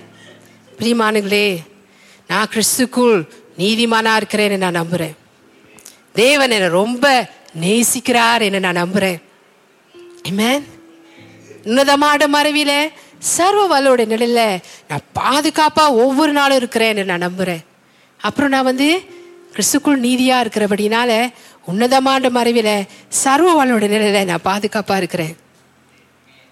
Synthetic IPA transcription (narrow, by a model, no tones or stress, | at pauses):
pɪɾiːmaːnɯŋɡɐɭeː | nãːkɪɾɪst̪ɯkːʊɭ | niːðɪmaːnaːɪɾɯkːɪɾeːnːɛnːãːnɐmbɯɾẽː | d̪eːʋɐnɛnːɐɾɔmbɐneːsɪkːɪɾaːɾɛnːɯnãːnɐmbɯɾẽː | emen | ʊnːɐðɐmaːɽɐmɐɾɐʋɪlɐ | sɐɾʋɐʋɐlːɯɽɐjɐnɪlɐɪlɐnã̰ːpaːðɯɣaːpaːɔʋːɔɾɯnaːlɔ̃ɪɾɯkːɯɾẽːɛnːɐnãːnɐmbɯɾẽː | ɐpːɯɾõnãːʋɐnd̪ɯkɾɪt̪ɯkːʊɭniːðɪjaːɪɾɯkːɪɾɐpɐɽɪjnaːlɐ | ʊnːɐðɐmaːɳɖɐmɐɾɐʋɪlɐsɐɾʋɐʋɐlɯɽɐjɐnɪlɐɪlɐnãːpaːðɯɣaːpaːɪɾɯkːɯɾẽː